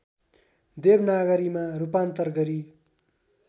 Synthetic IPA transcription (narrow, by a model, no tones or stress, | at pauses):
d̪ebnaɡʌɾimarupant̪ʌrɡʌɾi